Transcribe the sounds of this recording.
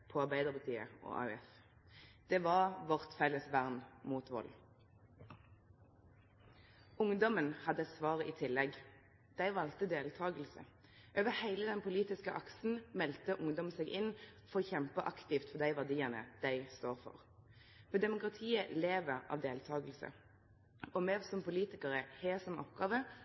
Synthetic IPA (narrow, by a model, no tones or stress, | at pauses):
pʰɔɑʁbæɪd̪əʁpɑt̪ʰiːə̰ʔɔ̰ːʔɑ̰ːʉɛf | d̪̥ɛʋɑʁʋɔʁt̪fɛləsʋæʁnmuːt̪ʋɔ̰l | ʊŋd̪ɔmənhɑd̪əsʋɑːʁəʔiːt̪ʰɪlːɛɡ | d̪̥æɪʋɑlt̪əd̪eːlt̪ʰɑːɡəlsə̰ | ʔøːʋəhæɪləd̪ɛnpʰʊliːt̪ɪskəʔɑksn̩mɛlt̪əʔʊŋd̪ɔmseːɡʔɪnfɔʁoːçɛmpəʔɑkt̪ɪft̪fɔd̪æɪʋæʁd̪iːənə̰d̪̥æɪst̪oːʁfɔ̰ʁ | mɛd̪ɛmʊkʁɑt̪ʰiːəleːʋəʁɑ̰ːʋd̪eːlt̪ʰɑːɡəlsə̰ | ɔmɛːsɔmpʊliːt̪ɪkəʁəheːsɔmɔ̰pɡɑːʋə